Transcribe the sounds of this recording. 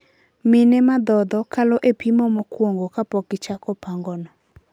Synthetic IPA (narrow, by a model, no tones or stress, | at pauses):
mɪnɛmad̪ɔd̪ɔkalɔʔepimɔmɔkwoŋɡokapɔkɪt͡ʃakɔpaŋɡɔnɔ